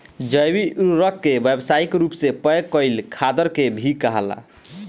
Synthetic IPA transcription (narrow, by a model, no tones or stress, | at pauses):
d͡ʒəjwiuɾəkːebebsaikɾupsepəjkəɪlkʰad̪əɾkebʱikəɦəla̰